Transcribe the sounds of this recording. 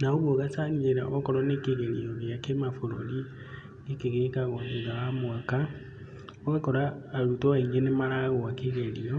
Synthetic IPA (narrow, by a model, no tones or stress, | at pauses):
naoβoɣasanieɾaɔkɔɾɔnekeɣeɾiɔɾeakemafoɾo̰li | ekeɣeekaɣɔeɡawamoaka | ɔɣakɔɾaːɾutoaiŋɡenemaɾaɣɔakeɣɛɾiɔ